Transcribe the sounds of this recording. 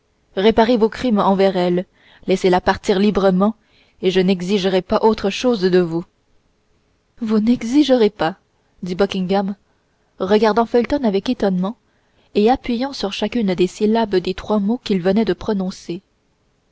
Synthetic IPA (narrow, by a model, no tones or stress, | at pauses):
ʁepaʁevokχimɑ̃vɛʁɛl | lɛselapaʁt̪iːʁlibʁəmɑ̃ | eʒənɛɡziʒəʁɛpaʔot̪χəʃozd̪əvu | vunɛɡziʒəʁepa | d̪ibɔkʲĩŋɡam | ʁəɡaʁd̪ɑ̃fɛlt̪ɔnavɛket̪ɔnmɑ̃ | eapɥijɑ̃syʁʃakʲynd̪esilabd̪et̪χwamokʲilvənɛd̪əpχɔnɔ̃se